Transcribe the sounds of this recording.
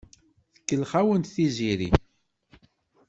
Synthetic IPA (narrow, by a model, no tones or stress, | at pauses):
θə̥kːəlχæwənt̪θiziɾḭ